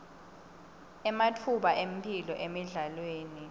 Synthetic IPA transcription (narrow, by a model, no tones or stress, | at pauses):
ɛmatʰuɓaʔem̩pʰilɔ̰ʔemiɮalweːni